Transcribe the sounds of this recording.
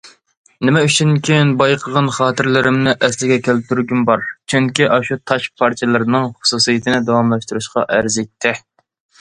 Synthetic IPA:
nɪmɛyt͡ʃʰyŋkʲʰinbɑjqʰəʁɑnχɑːt̪ʰɪɾlɪɾɪmnɪʔɛslɪɡʲɛkʲʰælɪp̚t̪ʰːyɾɡʲymbɑɾt͡ʃʰyŋkʲiʔɑʃut̪ʰɑʃpʰɑɾt͡ʃ̪ʰɛlˠɨɾnɨŋχʊ̥susijɨt̪ʰɪnɪd̪ɑwɑmlˠɑʃt̪uɾuʃqɑ̰ʔæɾzet̪ʰːɪ

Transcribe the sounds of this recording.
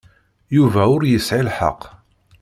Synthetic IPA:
juvæʊɾjəsʕilħɑ̰qː

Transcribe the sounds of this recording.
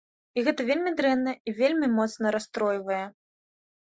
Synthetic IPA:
iɣɛt̪ɐvʲelʲmʲid̪ɾɛnːɐivʲelʲmʲimɔt̪snɐɾast̪ɾɔjvɐjɛ

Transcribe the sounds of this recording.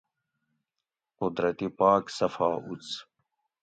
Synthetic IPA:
qʊd̪ɾɐt̪ipaːksɐfaːut͡s

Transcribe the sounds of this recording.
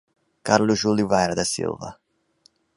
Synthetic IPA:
kaɾlʊzʒulivajɾɐd̪ɐsḭlˠvɐ̰

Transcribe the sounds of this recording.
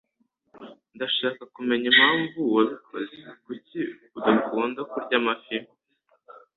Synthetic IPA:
ndaʃaːkakume̞ɲimhaːɱvuwaβukʰozekuciuzamukuːndakuɾɟamafim

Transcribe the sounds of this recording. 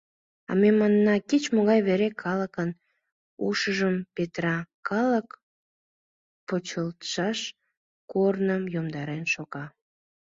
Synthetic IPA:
ɑ̰memɑnːɑkit͡ɕmoɣɑjβeɾekʰɑləkən | uʃəʒəmpet̪rɑkɑlək | pot͡ɕəlt̪ʃɑʃ | kornəmjomd̪ɑɾenʃoɣɑ

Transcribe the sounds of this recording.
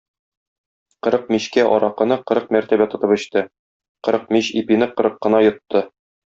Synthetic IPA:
qɤ̆ɾɤq̚miɕkæʔɒɾɑqɤ̆nɤqɤ̆ɾɤq̚mæɾt̪æbæt̪ŏt̪ɤpɵ̆ɕt̪ɘ | qɤ̆ɾɤq̚miɕipinɘqɤ̆ɾɤqːɤ̆nɑjŏt̪ːɤ

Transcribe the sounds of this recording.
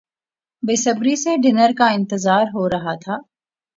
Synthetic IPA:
besəbɾiseɖɪnəɾkaɪ̃nt̪ɪzaːɾɦoɾɐɦat̪ʰaː

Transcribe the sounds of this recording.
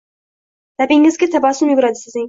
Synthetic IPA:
l̥abɪŋɪzɡʲat̪ʰabɑsʊmjʊɡʊɾad̪ɪsɪzɪŋ

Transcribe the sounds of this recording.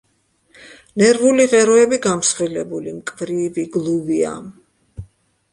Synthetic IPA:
nɛɾvuliʁɛɾɔɛbiɡamsχilɛbulimkʼvɾiviɡlˠuvia̰m

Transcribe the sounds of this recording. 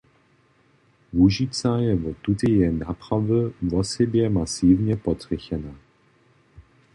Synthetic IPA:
vuʒit͡sajɛvɔt̪ut̪ijɛnapɾavəvɔsɛbjɛmasiːvɲɛpɔt̪rʲɛçɛna

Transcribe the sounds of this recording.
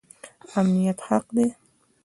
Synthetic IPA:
amnijat̪haqd̪e

